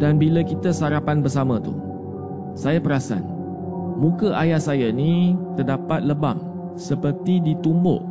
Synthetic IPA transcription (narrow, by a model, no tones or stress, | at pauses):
danbiləkit̪əsaɾapanbərsamə̃t̪ṵ | sajapəɾasa̰n | mũkəʔajahsajanit̪ərdapat̪̚ləba̰ŋ | səpərt̪idit̪umbʊ̰ʔ